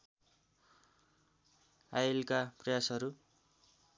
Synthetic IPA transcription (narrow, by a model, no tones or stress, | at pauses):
ajlkaprʌjasɦʌɾu